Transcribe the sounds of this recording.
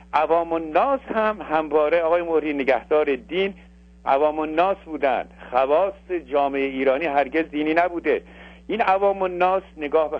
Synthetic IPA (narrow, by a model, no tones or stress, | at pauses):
ʔævɒːmonːɒːshæmhæmvɒːɾeɒːɣːjemohɾiːne̞ɡæhd̪ɒːɾed̪iːn | ʔæ̰vɒːmonːɒːsbuːd̪æ̰nd̪̥xævɒːsːed͡ʒɒːme̞eiːɾɒːniːɦæɾɟe̞zd̪iːniːnæbuːd̪e | ʔinævɒːmonːɒːsne̞ɡɒːhbe